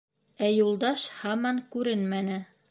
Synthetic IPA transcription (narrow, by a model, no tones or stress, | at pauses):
æjulˠd̪ɑʃhɑmɑŋkʉɾɘnmænɘ